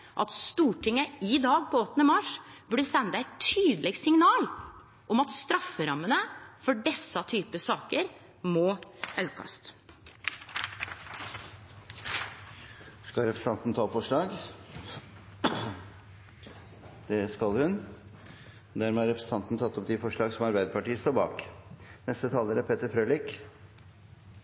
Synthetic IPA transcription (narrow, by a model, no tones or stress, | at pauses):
ʔɑ̰t̪st̪uːʈʰɪŋːəɪd̪ɑːɡpʰɔɔt̪ːnəmɑʂb̥ʉɖəsɛnːd̪æɛɪtt̪ʰyːd̪əlɛɡsɪŋnɑːl | ʔɔmɑt̪st̪ɾɑfːəɾɑmːənəfɔɖɛsɑt̪ʰyːpəsɑːkəɾ | mɔɑʉkʰɑ̰st̪ | skɑlɾɛpɾəsn̩ɑnt̪n̩t̪ʰɑːɔpfɔʂɭɑːɡ | d̪̥ɛskɑlhʉn | d̪æɾmɛɑɾɛpɾəsn̩t̪ʰɑnt̪n̩t̪ʰɑt̪ːɔp̚d̪ɪfɔʂɭɑːɡsɔmɑɾbæɪd̪əpɑʈiːəst̪oːɾbɑ̰ːknɛst̪ət̪ʰɑːləɾæpʰeːt̪əɾfɾøːlɪk